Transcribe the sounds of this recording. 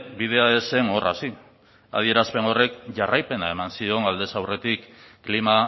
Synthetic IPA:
bið̞e̞ae̞se̞ŋo̞rʔa̰si | a̰ð̞ie̞ɾaspe̞no̞re̞kʝarajpe̞nae̞mansio̞ŋald̪e̞sawre̞t̪ikːlima

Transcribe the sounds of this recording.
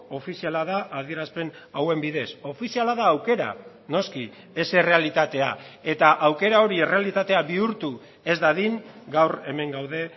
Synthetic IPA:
o̞fisialaðaʔːð̞ieɾaspe̞n | awe̞mbiðe̞so̞fisialaðaːwke̞ɾa̰ | no̞ski | ese̞re̞alit̪at̪e̞ae̞t̪aʔawke̞ɾao̞ɾiere̞alit̪at̪e̞aβiuɾt̪u | e̞zd̪aðiŋɡawre̞me̞ŋɡawðe̞

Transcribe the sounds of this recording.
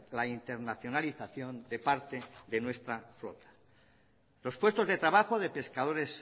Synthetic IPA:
laint̪e̞ɾnaθjo̞naliθaθjo̞nd̪e̞paɾt̪e̞ðe̞nwe̞st̪ɾaflo̞̰t̪ḁ | lo̞spwe̞st̪o̞zðe̞t̪ɾaβaxo̞ðe̞pe̞skað̞o̞ɾe̞s

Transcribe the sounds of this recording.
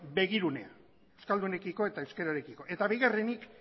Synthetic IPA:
be̞ɣiɾunea | ewskald̪une̞kiko̞e̞t̪aewske̞ɾaɾekiko̞ʔe̞t̪aβiɣare̞nik

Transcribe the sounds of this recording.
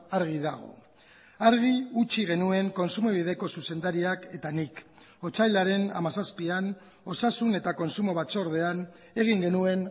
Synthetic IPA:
aɾɣ̞iðaɣo̞̰ | aɾɣ̞iut͡ʃiɣe̞nue̞ŋko̞nsumeβið̞e̞ko̞suse̞nd̪aɾiake̞t̪anik | o̞t͡sajlaɾe̞na̰masaspian | o̞sasune̞t̪ako̞nsumo̞βat͡soːɾð̞e̞an | e̞ɣ̞iŋɡe̞nue̞n

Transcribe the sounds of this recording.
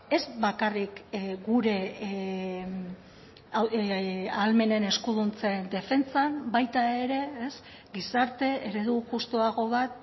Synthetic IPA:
e̞zβakarikɡuɾe̞ | alme̞ne̞ne̞skuðunt͡se̞nd̪e̞fe̞nt͡sambajt̪ae̞ɾe̞ːs | ɡisaɾt̪e̞eɾe̞ðuʝust̪uaɣo̞β̞at̪̚

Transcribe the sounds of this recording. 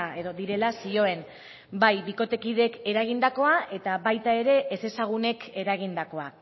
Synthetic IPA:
e̞ðo̞ðiɾe̞lasio̞e̞n | bajbiko̞t̪e̞kiðe̞ke̞ɾaɣ̞ind̪ako̞aʔe̞t̪aβajt̪ae̞ɾe̞ʔːse̞saɣ̞une̞ke̞ɾaɣ̞ind̪ako̞a

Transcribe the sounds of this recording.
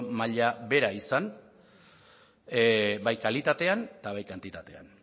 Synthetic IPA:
maʎabe̞ɾaisan | bajkalit̪at̪e̞ant̪aβajkant̪it̪at̪e̞a̰n

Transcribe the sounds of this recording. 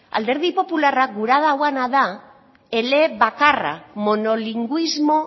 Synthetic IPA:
a̰ld̪e̞ɾðipo̞pularak̚ɡuɾað̞awanaða | e̞le̞βakara̰mo̞no̞liŋɡuizmo̞

